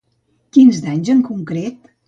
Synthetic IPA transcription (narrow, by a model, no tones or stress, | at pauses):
kinzd̪aɲzəŋkuŋkɾet̪